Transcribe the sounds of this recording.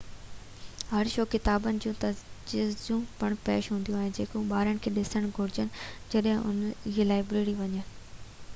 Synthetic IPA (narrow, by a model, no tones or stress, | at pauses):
ɦɐɾʃoːkːɪt̪aːbənɪ̆d͡ʑũːt̪ɐd͡ʑiːzd͡ʑũːpɐɽ̃pḛːʃɦũːnd̪ijũaːɦɪnɪd͡ʑeːkõɓaːɾəɽ̃̆kʰeːɗɪsəɽ̃ɡʱʊɾɪd͡ʑənɪ̆d͡ʑɐɗɦɪ̃ʔʊ̰nielaːɪbɾeːɾiʋɐɲən